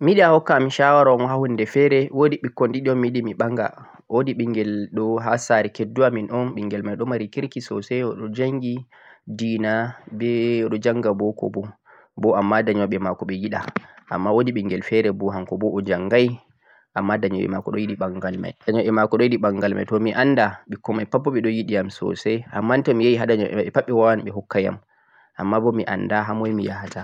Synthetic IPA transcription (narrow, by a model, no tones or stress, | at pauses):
miɗiahɔkːaːmiʃawaɾɔnahundɛfɛɾɛwodiɓikːɔndiɗiɔnmiɗimiɓaŋɡa̰ | wodiɓiŋɡɛlɗɔɦasaɾɛkedːuaminʔɔnɓiŋɡɛlmajɗɔmaɾikiɾkisɔ̰sɛɔɗɔd͡ʒaŋɡi | diːnabɛɗɔd͡ʒaŋɡabɔkɔ̰bɔ | bɔamːadaɲɔɓɛmakɔɓɛjiɗa̰ʔa̰mːawodiɓɛŋɡɛlfɛɾɛbɔɦamkɔbɔʔɔd͡ʒaŋɡaj | ʔamːadaɲɔɓɛ̰makɔɗɔjiɗiɓaŋɡalma̰jdaɲɔɓɛmakɔɗɔjiɗiɓaŋɡalma̰jtɔmiʔanːdaɓikɔmajpapːɔɓɛɗɔjiɗijamsɔ̰sɛha̰mːantɔmijajiɦadaɲɔɛɓɛpaɓːɛwawanɓɛɦɔkːaja̰m | ʔamːabɔmiʔa̰ndaɦamɔjmijaɦata